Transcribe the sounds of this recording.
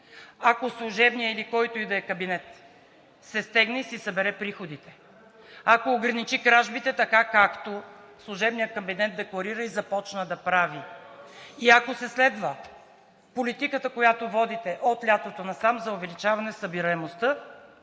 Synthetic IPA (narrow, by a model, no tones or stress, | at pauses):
akoslˠuʒɛbnijəilikɔjt̪ʊid̪ɐːkɐbinɛt̪ | sɛst̪ɛɡnɛisisɐbɛɾɛpɾixod̪it̪ɛ̥ | akoːɡɾɐnit͡ʃikɾaʒbit̪ɛt̪ɐkakakt̪o | slˠʊʒɛbnijəkɐbinɛt̪̚d̪ɛklˠɐɾiɾəizɐpɔt͡ʃnəd̪ɐpɾavi | iɐkosɛslɛd̪və | polit̪ikət̪əkojat̪ovɔd̪it̪ɛʔot̪lʲat̪ot̪onɐsamzɐʊvɛlit͡ʃavɐnɛsɐbiɾɐɛmost̪ə